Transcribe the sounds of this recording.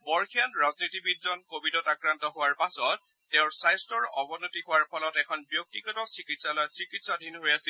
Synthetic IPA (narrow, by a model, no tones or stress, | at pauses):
bɔɹkʰianɹaznitibidzɔnkobidɔtakɹantɔɦʊwaɹpasɔtː | ɛʊ̃ɹsajstɔɹɔbɔnotiɦʊwaɹpʰɔlɔtɛkʰɔnbjok̚tiɡɔtɔsikitsalosikitsadʱinɦojasi